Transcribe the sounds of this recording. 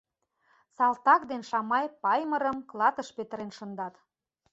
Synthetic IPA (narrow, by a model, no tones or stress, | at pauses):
sɑlt̪ɑkd̪enʃɑmɑjpɑjməɾəmklˠɑt̪əʃpet̪əɾenʃə̆nd̪ɑt̪